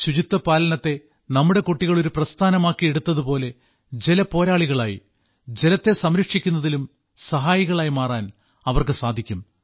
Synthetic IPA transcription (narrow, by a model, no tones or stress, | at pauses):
ɕud͡ʑit̪ːɐpaːlɐnɐt̪ːe̞ | nɐmːuɽe̞koʈːiɣɐɭo̞ɾuprɐst̪ʰaːnɐmaːkːie̞ɽut̪ːɐðupo̞ːle̞ | d͡ʑelɐpo̞ːɾaːɭiɣɐɭaːjḭ | d͡ʑe̞lɐt̪ːe̞sɐmɾɐkʂikʲːunːɐðilum | sɐɦaːjiɣɐɭaːjimaːraːn | ɐʋɐrkɨsaːd̪ʱikʲːum